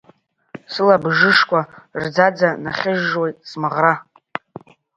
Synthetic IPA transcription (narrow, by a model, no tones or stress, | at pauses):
sɨlabʐɨʂkʷard͡zad͡zanaχʲɪʒwe̞jtʼsmaʁra